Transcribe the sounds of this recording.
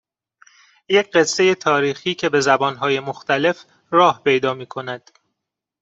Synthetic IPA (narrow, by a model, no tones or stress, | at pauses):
jecʰɢe̞sːe̞je̞t̪ʰɒːɾiːxiːcʰe̞be̞zæbɒːnɦɒːje̞moxt̪æle̞f | ɾɒːhpʰe̞jd̪ɒːmiːkʰo̞næd̪̥